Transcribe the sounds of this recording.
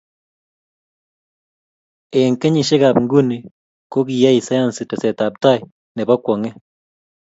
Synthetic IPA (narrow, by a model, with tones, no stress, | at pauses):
e˨ŋke˦ɲi˨ʃe˦ɡa˨pŋɡu˦ni˨ | ko˦k̬i˨ja˦i˨sa˦ja˦nsi˨tɛ˨sɛ˨ta˨p̚ta˦j | nɛ˨ba˦kwɔ˨ŋe˦